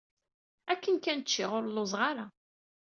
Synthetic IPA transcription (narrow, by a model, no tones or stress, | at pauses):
ækːənkænt͡ʃːɪʁʊɾlozˤʁaɾa